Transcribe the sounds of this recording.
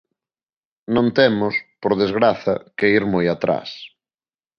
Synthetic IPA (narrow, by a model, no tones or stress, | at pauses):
nõnt̪ɛmʊspoɾðezɣɾaθɐ̰keiɾmojat̪ɾa̰s